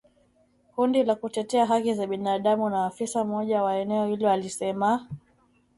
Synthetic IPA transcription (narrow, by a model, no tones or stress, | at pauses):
kundilakutɛtɛaɦakizaɓinaːɗamunaːfisam̩ɔʄawaɛnɛɔhilɔalisɛma